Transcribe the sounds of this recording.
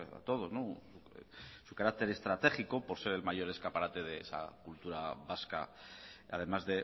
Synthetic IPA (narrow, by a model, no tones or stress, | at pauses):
a̰t̪o̞ð̞o̞znosusukaɾak̚t̪e̞ɾe̞st̪ɾat̪e̞χiko̞po̞ɾse̞ɾe̞lmaʝo̞ɾe̞skapaɾat̪e̞ð̞e̞ḛsa̰kult̪uɾaβaska̰a̰ð̞e̞mazðe̞